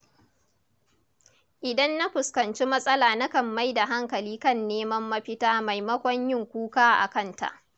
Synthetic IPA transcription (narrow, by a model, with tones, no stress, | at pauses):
ʔɪ˨dɐ˦nːa˦ɸʊ˨skɐ˨nt͡ʃi˦mɐ˦sʼɐ˦laː˨nɐ˦kɐ˨mːa˦jda˨ɦa˦ŋkɐ˨liː˦kɐ˦˨nːeː˦mɐ˦mːɐ˦ɸɪ˦taː˦ma˨jmɐ˦kʷɔ˦ɲjɪ˦˨ŋkʷuː˦kaː˦ʔa̰˨kɐ˦˨nta̰˨ʔ